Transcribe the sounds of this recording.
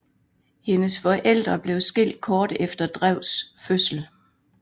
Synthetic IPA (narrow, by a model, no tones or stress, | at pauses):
he̝nəsfɒ̽ʔel̰d̥ʁɐb̥le̝ʊsɡ̥e̝l̰d̥̚kʰɒːd̥efd̥ɐd̥ʁaʊ̰sføsl̩